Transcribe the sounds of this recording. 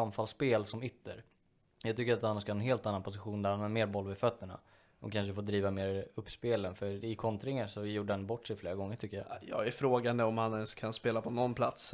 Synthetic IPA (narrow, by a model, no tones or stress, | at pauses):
amfalspeːlsɔmʏt̪ːə̰ɾ | jɑɡt̪ʏkːəɾat̪hanːaʂkahɑːɛnɦeːlt̪anːanpʰʊs̬ɪɧuːnd̪æɾhanhaːɾmeːɾbɔlvɪfœt̪ːəɳa̰ | ɔ̰kʰanʂ̬əfoːd̪ɾiːvameːɾɵpːspeːlənfœɾɪkʰɔnt̪ɾɪŋːasɔjuːɖəhanbɔʈːʂɛjfleːɾaɡɔŋːəʈʰʏkːəja̰ːjɑ̰ːɡæɾfɾoːɡand̪əɔmhanɛnskʰanspeːlapʰɔnɔnpʰlat̪s